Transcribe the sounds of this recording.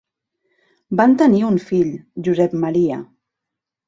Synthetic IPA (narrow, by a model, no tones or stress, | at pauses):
bant̪əniunfiʎʒuzɛpmaɾia̰